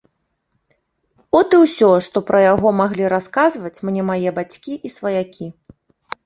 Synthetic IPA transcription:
ɔt̪ɨwsʲɔʂt̪ɔpɾʔɐjaɣɔmaɣlʲiɾaskazvɐt͡sʲmnʲɛmajɛbat͡sʲkʲiʔisvɐjakʲi

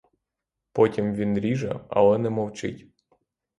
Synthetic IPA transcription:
pɔtʲimʋʲinɾʲiʒɐ̰ɐ̰lˠɛnɛmɔwt͡ʃɪ̰tʲ

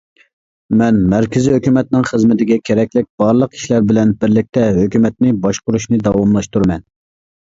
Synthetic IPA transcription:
mɛnmæɾkʲɪziɦøkʲymɛt̪nɪŋχəzmɪt̪ɪɡʲɛkʲʰeɾɛkʲlɪk̚ʲb̥ɑɾlˠəqi̥ʃlæɾbɪlɛnbɪɾlɪk̚ʲt̪ʰɛɦøkʲymɛt̪nɪbɑʃqʊɾuʃnɨd̪ɑwɑmlˠɑʃt̪uɾmɛn

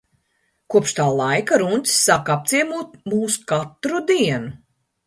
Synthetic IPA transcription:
kuɔpʃt̪aːlˠajkaɾunʲt̪ʲsːakap̪̚siɛmuːt̪̚muːsu̥kat̪ɾud̪iɛnu

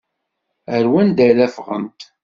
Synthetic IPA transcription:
əɾwænd̪ælæfʁə̰nt̪

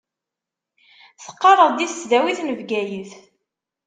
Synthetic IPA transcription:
θə̥qːɑrˤəðˤd̪iθət͡sːðæwiθnəvɡæjəθ

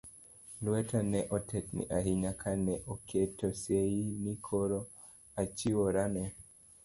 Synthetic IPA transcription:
lwɛtanɛʔɔtʰɛtnḭʔaɦiɲakʰanɛʔɔkʰɛtɔseinikʰɔɾɔ | at͡ʃiwɔɾanɛ

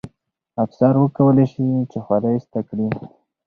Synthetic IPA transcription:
afsaɾwəkawəlejʃit͡ʃexwalajst̪akɽi

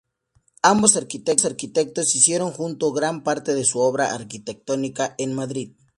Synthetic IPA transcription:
ambosaɾkit̪eksaɾkit̪ek̚t̪osisjeɾoŋxunt̪oɣɾampaɾt̪eðesuoβɾaʔaɾkit̪ek̚t̪onikaʔenmaðɾið

